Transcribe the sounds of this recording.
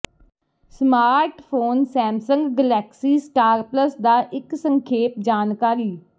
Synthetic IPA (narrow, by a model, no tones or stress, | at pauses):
smaːɾʈpʰoːnsɛ̃ːmsə̃ŋɡːəlɛːksiːsʈaːɾpləsd̪aːʔɪksə̃ŋkʰeːpd͡ʒaːnkaːɾiː